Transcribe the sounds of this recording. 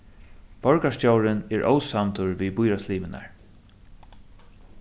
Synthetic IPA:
vɔɹkaʂcjowɾɪnɛɹʔo̰wsamt̪ʊɹviːbʊjɾasliːmɪna̰ɹ

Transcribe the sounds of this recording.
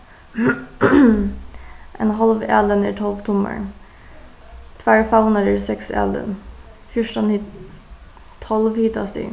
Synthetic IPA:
ʔɛnɦɑlʋɛlənə̰ʈʰɔlʋt̪ʰʊmə̰ɳ | t̪ʰʋæːɹfanəd̪əɾsɛksɛ̰lə̰n | fjʊʂʈənh | t̪ʰːɔlʋhit̪ɑsd̪ɪ̰

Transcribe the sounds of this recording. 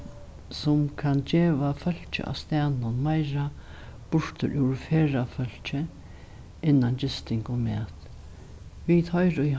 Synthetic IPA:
sʊmkʰand͡ʒeːʋafœl̥t͡ʃə̰ʔa̰ʋst̪æːnʊnmajɹa | b̥ʊɹ̥t̪ʰə̰ɾʔɪwɹfeːɾafœl̥t͡ʃə | ɪnːand͡ʑɪst̪ɪŋkʊmɛːt̪ | ʋit̪hɔjɾʊj

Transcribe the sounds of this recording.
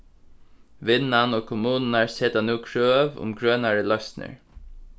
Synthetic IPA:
ʋɪnanoːkʰʊmuːnn̩aɹseːt̪anuːkʰɹøːʋʊ̰mɡɹøːnaɹəlœɥsnə̰ɹ

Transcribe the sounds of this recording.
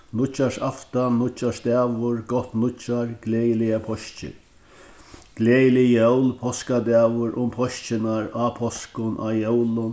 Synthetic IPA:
nʊt͡ʃːaʂaft̪annʊt͡ʃːaʂd̪ɛːʋʊɹɡɔht̪nʊt͡ʃaɹɡ̥lɛːjɪlɪapʰɔʃt͡ʃɪ̰ | ɡ̥lɛːjɪlɪjœwlpʰɔskad̪ɛːʋʊɾʔʊmpʰɔʃt͡ʃɪnaɾaːpʰɔskʊnʔa̰ːjœwlʊn

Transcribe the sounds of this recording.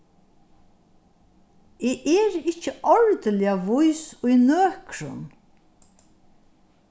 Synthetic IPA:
eːʔɛːɾɪcəʔɔɹd̪əlɪaʋʊjsʊjnøːkɾʊ̰n

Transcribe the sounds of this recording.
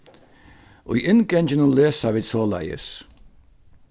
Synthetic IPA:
ṵjʔɪnɡɛnd͡ʒənəleːsavɪ̥sɔːla̰jə̰s

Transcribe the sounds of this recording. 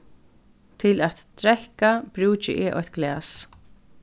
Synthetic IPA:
t̪ʰɪlæt̪t̪ʰɾɛhkabɾʉːt͡ʃɪ̰ʔɛːʔɔ̰ht̪̚ɡ̥lɛːs

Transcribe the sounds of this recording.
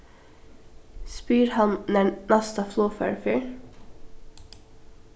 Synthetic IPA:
spyːɾhɑnnɛnɑst̪əfloːfœ̰ːɹfyːɹ

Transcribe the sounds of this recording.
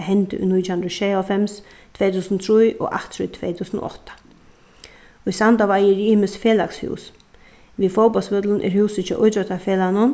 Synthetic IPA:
ɦɛnt̪ə̰ʏ̰jnujt̪ʰːhʊnd̪ɾaʃeːɔfɛms | t̪ʰv̥eːt̪ʰuːsənt̪ʰɾujʔɔ̰ʔa̰ht̪ɾʊt̪ʰvḛːt̪ʰuːsənɔ̰ʔɔ̰ht̪ḁ | isant̪aʋajɪɾiːməsfeːlakshṵːs | vifoːwpɔlsmɪt̪lənʔɛ̰ɾhʉːwsət͡ʃʰɔʔʊjt̪ɔt̪afeːlanʊn

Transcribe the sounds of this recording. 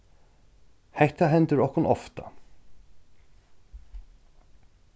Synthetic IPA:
hɛht̪aɦɛnt̪ɪɾɔhkʊnɔft̪a̰

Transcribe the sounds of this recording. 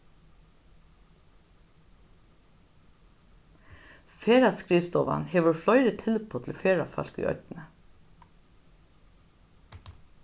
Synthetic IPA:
feːɹaskɹiːst̪ɔːʋa̰nheːʋəɹflɔʏɾət̪ʰɪlpʰoːt̪ʰl̩feːɹafœ̰lkʏ̰ʔœ̰t̪nə

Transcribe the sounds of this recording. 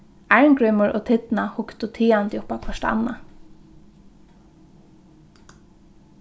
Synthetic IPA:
aɹmkɹʏmʊɹʔɔ̰ːt̪ʰɪt̪nahʊkt̪ʊt̪ʰiːant̪jʊpakʰɔʃta̰nːa

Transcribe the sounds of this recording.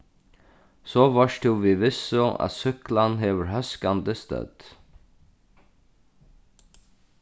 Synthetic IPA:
soːʋɑʃʈuːʋiːʋɪsʊʔɑ̰t̪sʏklɑnheːʋəɾhœskɑnd̪əst̪œ̰d̪̥

